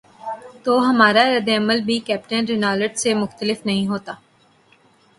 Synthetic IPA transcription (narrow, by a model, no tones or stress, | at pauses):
t̪oːɦɐmaːɾaɾɐd̪ːeɐməlbʱikɛːpʈənɾɪnaːləʈsemʊxt̪əlɪfnɐɦĩɦoːt̪aː